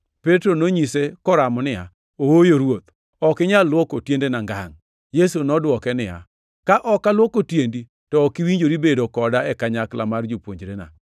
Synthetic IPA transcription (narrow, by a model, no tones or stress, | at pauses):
petɾonoɲisekɔɾamɔnɪja̰ | owojoɾwot̪̚ | ɔkɪɲalːwɔkotjendenaŋɡaŋ | jesunɔdwɔkɛnɪja̰ | kaʔɔkalwokotjendi | tɔːkiwiɲd͡ʒoɾibedokɔdaɛkaɲakla̰mard͡ʒopwoɲd͡ʒɾena̰